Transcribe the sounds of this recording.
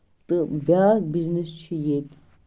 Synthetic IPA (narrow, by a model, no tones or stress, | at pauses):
t̪ɨbʲaːk̚biznist͡ʃʰijet̪